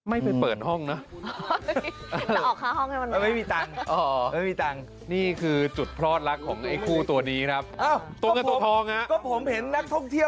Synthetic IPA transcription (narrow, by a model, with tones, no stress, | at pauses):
ma˥˩jpe˧npɤː˨˩t̪̚hɔ˥˩ŋnɔ˦˥ | ʔːa˧˩ʔɔː˨˩kʰːaː˦˥hɔ˥˩ŋha˥˩jwa˧na˧˩ma˥˩jmiː˧t̪a˧ŋʔɔː˧˦ma˥˩jmiː˧t̪a˧ŋ | niː˥˩kʰɯː˧t͡ɕu˨˩t̪̚pʰɾɔː˥˩t̪̚la˦˥kʰːɔː˩˦ŋʔa˧˩jkʰuː˥˩t̪u˧ɐniː˦˥kʰɾa˦˥p̚ʔaː˧˩wt̪u˧˥˩ŋa˥˩t̪u˧t̪ʰɔː˧ŋha˦˥ʔkɔː˥˩pʰo˩˦mhe˨˦nːa˦˥k̚t̪ʰɔ˥˩ŋt̪ʰi˥˩ə